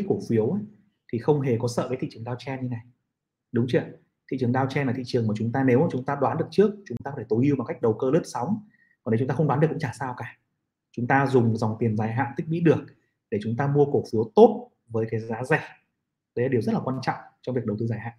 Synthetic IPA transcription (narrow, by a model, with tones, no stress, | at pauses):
ko˧˩fi˨˦əw | t̪ʰi˨˩xə˧wŋ͡mɦe˨˩kɔ˨˦sə̰ː˧˨əː˨˦t̪ʰḭ˧˨t͡ɕɨ˨˩əŋɗaː˧wt͡ɕɛ˧ni˧na˨˩j | ɗʊ˨˦ŋ͡mt͡ɕi˧˩ə | t̪ʰḭ˧˨t͡ɕɨ˨˩əŋɗaː˧wt͡ɕɛ˧nlaː˨˩t̪ʰḭ˧˨t͡ɕəŋmaː˨˩t͡ɕʊ˨˦ŋ͡mt̪aː˧ne˨˦wt͡ɕʊ˨˦ŋ͡mt̪aː˧ɗwaː˨˦nɗɨ˨˩ək̚t͡ɕɨ˦˥ək̚t͡ɕʊ˨˦ŋ͡mt̪aː˧ktʰe˧˩t̪o˨˦jʔi˧wma˨˩ka˦˥k̚ɗə˨˩wkəː˧lə˦˥p̚sɔ˨˦wŋ͡m | kɔ˨˩n˨˦t͡ɕʊ˨˦ŋ͡mt̪aː˧xŋ͡mɗa˨˦nɗkʊ̰˧˥ŋ͡mt͡ɕaː˧˩saː˧wkaː˧˩ | t͡ɕʊ˨˦ŋ͡mt̪aː˧zʊ˨˩ŋ͡mza˨˩wŋ͡mt̪i˨˩ənzaː˨˧˩jɦa̰ː˧˨nt̪ï˦˥k̚ɓḭ˧˥ɗɨ˨˩ək̚ | ɗe˧˩t͡ɕʊ˨˦ŋ͡mt̪aː˧mu˧əko˧˩fi˨˦əwt̪o˦˥t̚ | vəː˨˦jkaː˨˦jzaː˨˦za˧˩ | ɗə˨˦jla˨˩˨əwzə˦˥t̚laː˨˩waː˧nt͡ɕɔ̰˧˨wŋ͡mt͡ɕɔ˧ŋ͡mvək̚ɗə˩wt̪ɨː˧zaː˧˩jɦa̰ː˧˨n